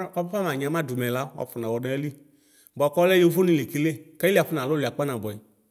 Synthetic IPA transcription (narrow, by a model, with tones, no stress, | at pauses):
a˦bɔ˦fa˦m˨a˨ɲ˨ã˨˦mã˦˨dʊ˨mɛ˨la˦wa̰˨fʊ˨na˨wɔ˨nɛ˦li˦ | bɔ˨a˨kɔ˦lɛ˦jo˦vo˦nĩ˨le˨ki˦le˦˨kɛ˦li˦a˨fʊ˦nã˨lʊ˦li˨a˨k͡pa˦nã˨bɔ˨i˨